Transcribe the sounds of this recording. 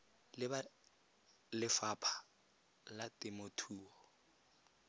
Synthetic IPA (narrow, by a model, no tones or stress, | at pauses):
lɪ | lɪfapʰḁ | latʼɪmotʰuːɔ